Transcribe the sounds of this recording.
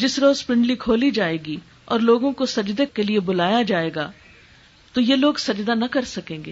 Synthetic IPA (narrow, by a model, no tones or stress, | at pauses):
d͡ʒɪsɾoːzspɾɪ̃ɳɖlikʰoːlid͡ʒaːeːɡi | ɔːɾloːɡõkosɐd͡ʒd̪ekːeliebʊlaːjad͡ʒaːeːɡa̰ː | t̪ojeloːɡsɐd͡ʒd̪anɐkɐɾsɐkẽːŋɡeː